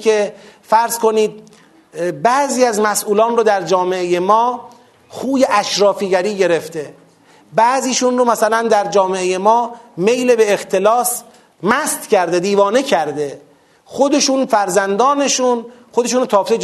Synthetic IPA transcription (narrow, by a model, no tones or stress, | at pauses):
efæɾz̥ko̞niːd̪̚ | bæziːæzmæsʔuːlɒːnrod̪æɾd͡ʒɒːmeeje̞mɒː | xuːje̞ʔæʃɾɒːfiːɡæɾiːɟe̞ɾe̞ft̪e̞ | bæʔziːʃuːnromæsælænd̪æɾd͡ʒɒːmeeje̞mɒːme̞jlebeːxt̪ʰe̞lɒːs | mæst̪cʰæɾd̪ed̪iːvɒːne̞cʰæɾd̪e̞ | xo̞d̪e̞ʃuːnfæɾzænd̪ɒːne̞ʃuːnxod̪e̞ʃ̬uːnot̪ʰɒːft̪e